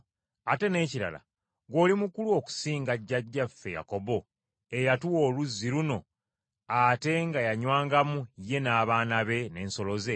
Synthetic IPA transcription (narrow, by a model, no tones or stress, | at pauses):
ate̞ne̞ːciɾa̰la̰ | ɡo̞ːlimukuluo̞ku̥siːŋɡaɟːaɟːafːe̞̰ja̰ko̞bo̞ | ejatuwo̞ːluzːiɾuno̞ | ate̞ŋɡajaɲwaːŋɡamuje̞naːβaːnaβe̞ne̞ːnso̞loze̞